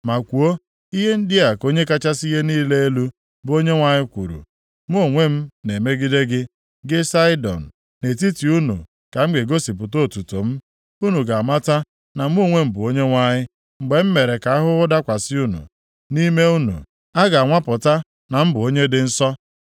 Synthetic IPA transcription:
ma˨kʷu˨o˦ | i˦ɦe˦n̩˦dɪ˦a˨ko˦ɲe˦ka˦t͡ʃa˦si˦ɦe˦niː˦le˦e˦lu˦ | bʊ˨o˦ɲe˦ŋʷa˦ɲɪ˦kʷu˨ɾṵ˨ | m˦o˨ŋʷe˦m̩˦ne˨me˦ɡi˦de˦ɡɪ˦ | ɡɪ˦sa˦ɪ˦dɔ̰˨n̩˨ | ne˨t̬i˦ti˨u˦nṵ˨ | ka˨m̩˦ɡ͡be˨ɡo˦si˨p̬ʊ˨to˦˨tu˨to˨m̩˦ | u˦nu˨ɡa˨a˨ma˦ta˦ | na˨m̩˦o˦˨ŋʷe˦m̩˨bʊ˨o˦ɲe˦ŋʷa˦ɲɪ˦ | ŋ͡m̩˨ɡ͡be˨m̩˦me˨ɾe˨ka˨a˦ɦʊ˦ʊ˦da˦kʷa˨sɪ˦u˦nṵ˨ | ni˦me˦u˦nṵ˨ | a˦ɡa˨a˨ŋʷa˦pʊ˨ta˦ | na˨m̩˦bʊ˨o˦ɲe˦dɪ˦n̩˦sɔ˦

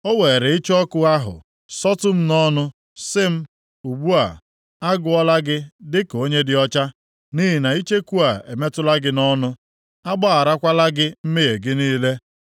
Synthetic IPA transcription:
o˦weː˨e˨ɾe˨i˦t͡ʃɔ˦kʊ˦a˦ɦʊ̰˨ | sɔ˦tʊ˦m̩˦nɔ˦nʊ˦ | sɪ˦m̩˦ | u˨ɡ͡bu˦a˨ | a˦ɡʊ˨ɔ˦la˦ɡɪ˦dɪ˦ko˦ɲe˦dɪ˨ɔ˦t͡ʃa˦ | ni˦ɦi˨na˨i˦t͡ʃe˦ku˦a˨e˨me˦tʊ˦la˦ɡɪ˦nɔ˦nʊ˦ | a˦ɡ͡ba˦a˨ɾa˦kʷa˦la˦ɡɪ˦m̩˦me˦ɣe˨ɡɪ˦niː˦le˦

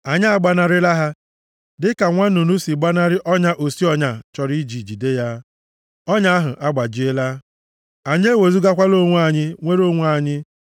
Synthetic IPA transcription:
a˨ɲɪ˦a˨ɡ͡ba˦˨na˨ɾɪ˦la˦ɦa˦ | dɪ˦ka˨ŋʷa˦nu˨nu˦si˨ɡ͡ba˦na˦ɾɪ˦ʔɔ˦ɲa˦ʔo˨si˦ɔ˦ɲa˨t͡ʃɔ˨ɾi˦d͡ʒi˨d͡ʒi˨de˦ja˦ | ɔ˦ɲa˦a˦ɦʊ˨ʔa˦ɡ͡ba˨d͡ʒɪ˦e˦la˦ | a˨ɲ˦e˦we˨zu˦ɡa˦kʷa˦lo˦˨ŋʷu˦a˨ɲɪ˦ŋʷe˦ɾo˦˨ŋʷ˦a˨ɲɪ˦

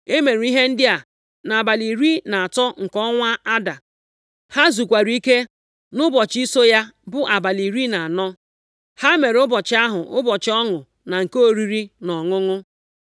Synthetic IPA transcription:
e˦me˨ɾi˨˦i˦ɦe˦n̩˦dɪ˦a˨ | na˨a˨ba˨li˨ɾi˦na˨a˨tɔ˦ŋ̩˨kɔ˦ŋʷa˦a˦da˨ | ha˦zu˨kʷa˨ɾi˨˦i˦ke˦ | nʊ˦bɔ˨t͡ʃi˦so˦ja˦bʊ˦ʔa˨ba˨li˨ɾi˦na˨a˨nɔ˦ | ha˦me˨ɾʊ˦bɔ˨t͡ʃɪ˦a˦ɦʊ˨ʔʊ˦bɔ˨t͡ʃɪ˨˦ɔ˦ŋʊ˨ | na˨ŋ̩˨ko˦ɾi˦ɾi˦nɔ˨ŋʊ˦ŋʊ˦

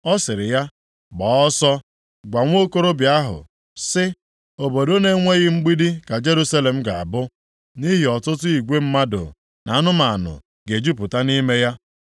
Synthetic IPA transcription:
ɔ˦sɪ˨ɾɪ˨ja˦ | ɡ͡bɔː˨˦ɔ˦sɔ˦ | ɡʷa˨ŋʷ˦o˦ko˦ɾo˦bja˦ɦʊ̰˨ | sɪ˦ | o˨bo˨do˦ne˨˦ŋʷe˦ɣɪ˦ŋ͡m̩˦ɡ͡bi˦di˦ka˨d͡ʒe˦ɾu˦sa˦le˨m̩˦ɡa˨a̰˨bʊ˦ | ni˦ɦi˨ɔ˨tʊ˦tʊ˦i˨ɡʷe˦m̩˦ma˦do̰˨ | na˨a˦nʊ˦ma˨a˨nʊ̰˨ | ɡe˨d͡ʒi˦p̬ʊ˨ta˦ni˦me˦ja˦

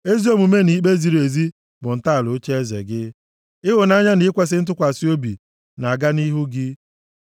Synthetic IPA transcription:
e˦zi˦o˦mu˨me˦ni˦k͡pe˦zi˨ɾe˨zi˦ | bʊ˨n̩˨ta˦a˨lʊ˨˦t͡ʃe˦e˦zḛ˨ɡɪ˦ | ɪ˦ɦʊ˨na˦ɲa˦ni˦kʷe˦s̬ɪ˦n̩˦t̬ʊ˦kʷa˨si˦o˦bḭ˨ | na˨a˨ɡa˦ni˦ɦu˦ɡɪ˦

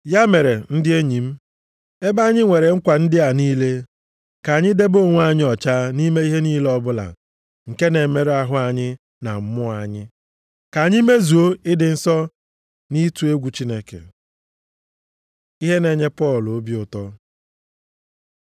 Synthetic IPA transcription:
ja˦me˨ɾe˨n̩˦dɪ˦e˦ɲi˨m̩˦ | e˦ba˦ɲɪ˦ŋʷe˨ɾe˨ŋ̩˦kʷa˨n̩˦dɪ˦a˨niː˦le˦ | ka˨ɲɪ˦de˦bo˦˨ŋʷ˦a˨ɲɪ˦ɔ˨t͡ʃa˦ni˦me˦i˦ɦe˦niː˦le˦ɔ˦bʊ˦la̰˨ | ŋ̩˨ke˦ne˨me˨ɾe˦a˦ɦʊ˦a˨ɲɪ˦ | na̰˨m̩˦mʊ˦a˨ɲɪ˦ | ka˨ɲɪ˦me˦zu˨o˦ɪ˦dɪ˨n̩˨sɔ˦ | ni˦tu˨e˦ɡʷu˨t͡ʃi˦ne˦kḛ˨ | i˦ɦe˦ne˨ɲe˦pɔ˦˨lo˦bi˦ʊ˨tɔ˦

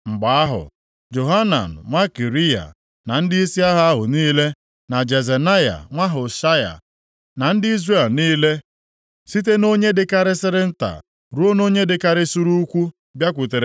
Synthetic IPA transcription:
ŋ͡m̩˨ɡ͡ba˨a˦ɦʊ̰˨ | d͡ʒo˨ɦa˦na̰˨n̩˨ŋʷa˦ki˨ɾi˦ja̰˨ | na˨n̩˦dɪ˦i˦si˦a˦ɦa˦a˦ɦʊ̰˨niː˦le˦ | na˨d͡ʒe˨ze˨na˦ja̰˨ŋʷa˦ɦʊ˨ʃa˦ja̰˨ | na˨n̩˦dɪ˦i˦zre˦˨lniː˦le˦ | si˦t̬e˦no˦ɲe˦dɪ˦ka˦ɾɪ˦sɪ˦ɾɪ˦n̩˦ta̰˨ | ɾu˦o˦no˦ɲe˦dɪ˨ka˦ɾɪ˦su˦ɾu˦u˦kʷu˦ | bja˦kʷʊ˨te˨ɾe˨

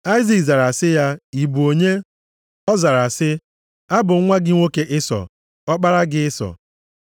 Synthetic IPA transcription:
a˦i˦zi˨kza˨ɾa˨sɪ˦ja˦i˨bu˨o˨ɲe˦ | ɔ˦za˨ɾa˨sɪ˦ | a˦bʊ˨˦ŋʷa˦ɡɪ˦ŋʷo˦ke˦ʔɪ˦sɔ̰˨ | ɔ˦k͡pa˦ɾa˦ɡɪ˦ɪ˦sɔ̰˨

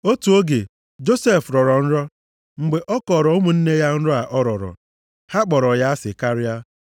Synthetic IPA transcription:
o˦tu˨o˦ɡe˨ | d͡ʒo˦se˦˨fɾɔ˨ɾɔ˨n̩˦ɾɔ˦ | ŋ͡m̩˨ɡ͡be˨ʔɔ˦kɔ˨ɾɔ˨o˦mu˦n̩˦ne˦ja˦n̩˦ɾɔ˦a˨ʔɔ˦ɾɔ˨ɾɔ̰˨ | ha˦k͡pɔ˨ɾɔ˨ja˦a˦sɪ˨ka˦ɾɪ˦a˦

